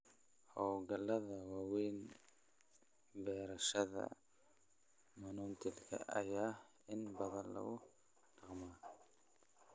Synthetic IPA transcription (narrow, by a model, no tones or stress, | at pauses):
hɔwɡɐlɐðɐwaːwɛːn | bɛːɾɐʃɐðɐ̰ | mɐnʊnt̪ʰɪlkʰɐ̰ʔɐ̰jaː | ɪnbɐðɐlɐ̰ʊ | ɖ̥ɑqmaː